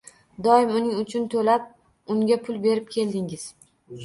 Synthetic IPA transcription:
d̪ɒɪmʊnɪŋʊt͡ʃʰʊnt̪ʰolap̚ | ʊŋɡʲapʰʊlbe̞ɾɪp̚kʲʰe̞ld̪ɪŋɪz̥

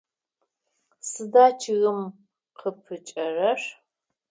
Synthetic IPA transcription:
sɨdaːt͡ʃʰɪɣɨm | qʰəpʰɨt͡ʃʼɐrɐʂ

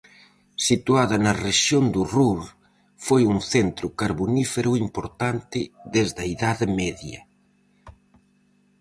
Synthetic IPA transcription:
sit̪uaðɐnɐreʃjond̪uruɾ | fojuŋθent̪ɾʊkaɾβunifeɾuimpoɾt̪ant̪ɪðezðɐiðaðɪmɛðjɐ̰

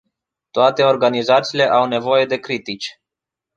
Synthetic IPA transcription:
t̪oat̪e̞o̞rɡanizat̪siːle̞ʔawne̞vo̞je̞d̪e̞kɾit̪it͡ʃʲ

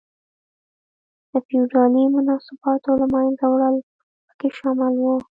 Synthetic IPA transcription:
d̪̥əfiuɖɑnimʊnɑsɪbɑt̪olamɑjnzawɽəl | pə̥keʃɑmɪlwu

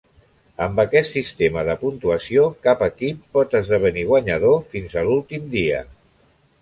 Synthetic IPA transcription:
əmbəkɛt̪sist̪eməðəpunt̪uəsiokapəkipːɔt̪əzðəβ̞əniɣ̞waɲəð̞ofinzəlulˠt̪imd̪iə̰

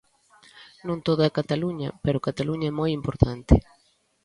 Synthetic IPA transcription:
nũnt̪oðakat̪aluɲɐpɛɾʊkat̪aluɲɐɛmojimpoɾt̪ant̪ɪ

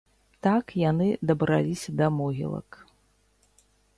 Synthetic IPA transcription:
t̪akjanɨd̪ɐbɾa̰lʲisʲɐd̪ɐmɔɣʲḭlˠɐ̰k

